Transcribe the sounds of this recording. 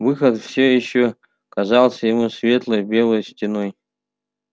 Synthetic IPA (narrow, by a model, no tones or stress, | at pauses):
vɨxət̪fsʲojɪɕːo | kɐzɑlˠsʲəjɪmusvʲe̞t̪lˠəjbʲelˠəjsʲtʲɪnoj